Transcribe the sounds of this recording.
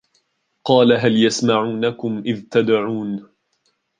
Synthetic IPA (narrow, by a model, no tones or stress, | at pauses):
qɑːlaɦaljasmaʕuːnakʊmʔɪðt̪ad̪ʕuːn